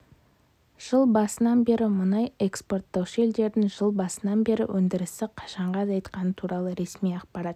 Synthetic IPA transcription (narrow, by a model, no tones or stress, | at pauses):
ʒ̥əlˠbɑsənɑnbe̞ɾɪmʊnɑjekspo̞rt̪ːɑwʃe̞ld̪e̞ɾd̪ɪŋʒəlˠbɑsənɑnbe̞ɾɪ̰wʔɵnd̪ɪɾɪsɪqʰɑ̥ʃɑɴʁɑd̪ɑjt̪qɑnət̪ʰuɾɑlˠəɾe̞smijɑqpɑɾɑt̪